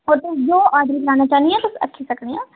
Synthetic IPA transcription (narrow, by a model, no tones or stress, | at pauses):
ɔːɾt̪ʊsd͡ʒoːaːd̪ɾiːkəɾaːnaːt͡ʃaːniɛ̃ːt̪ʊsə̰kʰːiːsəkɽẽːãː